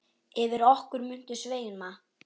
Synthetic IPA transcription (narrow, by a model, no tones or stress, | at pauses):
ɪvɪɾɔhkʏɾmʏn̥t̪ʏsveːjɪnma